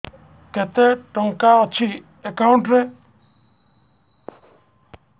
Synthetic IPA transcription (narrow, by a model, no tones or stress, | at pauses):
kɛt̪eʈɔŋkaɔt͡ʃʰi | ekaʊ̃ɳʈɾe